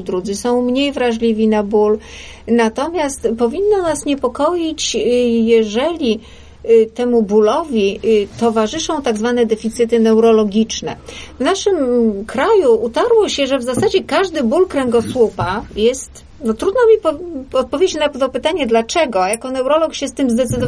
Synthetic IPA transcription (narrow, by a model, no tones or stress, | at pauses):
d̪ɾud̪zɘsɔ̃w̃mɲejvɾaʐlʲivʲinabul | nat̪ɔmʲjast̪pɔvʲinːɔnasɲɛpɔkɔjit͡ɕjɛʐɛlʲi | t̪ɛmubulɔvʲit̪ɔvaʐɘʂɔ̃w̃t̪aɡzvanɛd̪ɛfʲit̪sɘt̪ɘnɛwɾɔlɔɡʲit͡ʂnɛ̰vnaʂɘmkɾajuut̪aɾwɔɕɛʐɛvzasad͡ʑɛkaʐd̪ɘbulkɾɛŋɡɔswupajɛst̪ | nɔt̪ɾud̪nɔmʲipɔɔt̪̚pɔvʲed͡ʑɪt͡ɕnat̪ɔpɘt̪aɲɛd̪lat͡ʂɛɡɔjakɔnɛwɾɔlɔkɕɛst̪ɘmzd̪ɛt̪sɘd̪ɔ